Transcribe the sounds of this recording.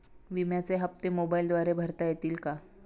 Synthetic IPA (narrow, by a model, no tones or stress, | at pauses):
ʋimjat͡seɦəpt̪emobaild̪ʋaɾebʱəɾt̪ajet̪iːlka